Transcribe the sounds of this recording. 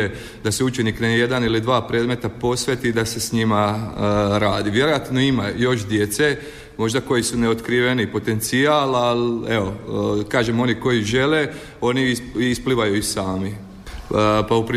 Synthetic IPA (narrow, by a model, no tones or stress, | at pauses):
e | d̪aseut͡ʃe̞nikneje̞d̪anilid̪ʋaːpɾe̞ːd̪me̞t̪apo̞sʋʲet̪id̪ase̞sɲima | ɾaːd̪iʋje̞ɾo̞jat̪noimajo̞ʃd̪je̞t̪se̞ | mo̞ʒd̪ako̞jisune̞ot̪kɾiʋe̞nipo̞t̪e̞nt̪sialale̞o̞kaːʒemo̞niko̞jiʒe̞le | o̞niispliʋajuisaːmi | paupɾi